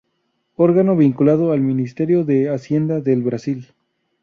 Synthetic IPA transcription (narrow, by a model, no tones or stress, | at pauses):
o̞ɾɣano̞βiŋkulaðoalmĩnist̪e̞ɾjo̞ðeasje̞nd̪aðe̞lβɾasil